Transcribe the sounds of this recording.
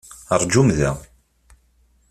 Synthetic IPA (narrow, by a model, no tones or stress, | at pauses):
ərˤd͡ʒumðæ̰